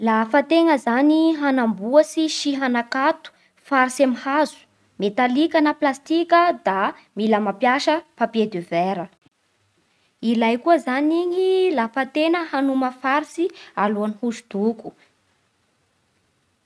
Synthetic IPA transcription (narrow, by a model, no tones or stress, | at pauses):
lafat̪eŋəzaniɦanambuəsiʃiɦanakat̪u̥ | faɾisamihazu̥ | met̪alikanəplast̪ikʲəd̪a | miləmapjaʃəpapjed̪eveɾə | ilajkuəzaniɲilafat̪enəhanuməfaɾisialuanihuʃud̪̥uku̥